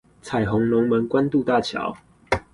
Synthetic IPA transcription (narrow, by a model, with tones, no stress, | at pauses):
t͡sʰa˨˩ɪɦɔ˨˧˥ŋlʊ˨˦ŋmə˨˦nkwa˦nt̪u˥˧t̪a˥˨t͡ɕʰjɑ̰˨˧˦ʊ